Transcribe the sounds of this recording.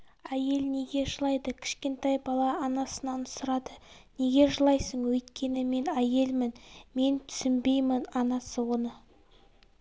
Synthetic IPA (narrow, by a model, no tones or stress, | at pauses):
æje̞lne̞ɡʲe̞ʒəlˠɑjd̪əkʲʰɪ̥ʃkʲe̞nt̪æjbɑlˠɑːnɑsənɑnsʊɾɑd̪əne̞ɡʲe̞ʒəlˠɑjsəɴwɵjt̪kʲʰe̞nɪme̞næje̞lmɪnme̞nt̪ʰʏ̥sɪnbe̞jmənɑnɑsəwo̞nə